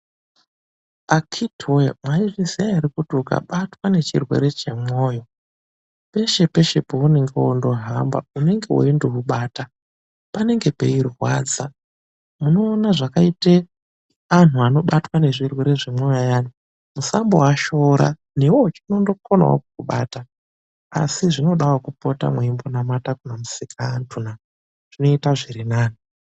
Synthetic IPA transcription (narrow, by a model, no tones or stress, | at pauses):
akʰitʰoja̰mwaiʐiseaiɾikutuka̰ɓatwane̞t͡ʃirwe̞̰ɾe̞t͡ʃe̞mo̞ːjo̞ | pe̞ʃe̞pe̞ʃe̞poune̞ŋɡewondo̞ɦamba̰une̞ŋɡewo̰indoɦuɓaːta | pane̞ŋɡe̞pḛirwa̰ːd͡za | muno̞ːnaʐakaite | an̤uano̞ɓatwane̞ʐirwe̞ɾe̞ʐimwojajaːno | musambowaʃo̞ɾa̰ | newot͡ʃino̞ndo̞kona̰wo̰kukuɓa̰ːta | a̰siʐino̞ɗawokupota̰mweimbo̞namatakunamusikʰaːntʰuna | ʐ̥ino̞itaʐirinaːno